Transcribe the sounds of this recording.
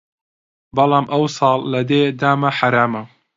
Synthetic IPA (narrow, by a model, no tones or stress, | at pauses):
bɑlɑːmʔɐwsˤɑːlːɐd̪eːd̪aːmɐħaɾaːmɐ